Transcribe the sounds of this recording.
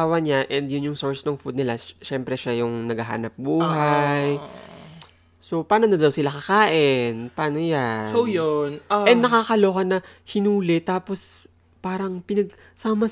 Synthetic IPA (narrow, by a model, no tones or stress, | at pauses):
awɐɲaʔɛnd̪jʊnjʊŋsoɹsnɐŋfud̪nɪlaʃɛmpɾɛʃajʊŋnɐɡɐɦa̰ːnɐp̚buːɦaj | so̞paːno̞nɐd̪ɐwsɪlakɐkaːʔɪnpaːnojaojonɛnnɐkakɐlokɐnɐ | hɪnuːlɪt̪ːaːpo̞s | paːɾɐŋpɪnɐɡ̚ | saːmɐ